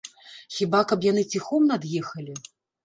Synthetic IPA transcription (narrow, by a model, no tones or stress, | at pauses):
xʲibakɐpjanɨt͡sʲixɔmnad̪jɛxɐlʲi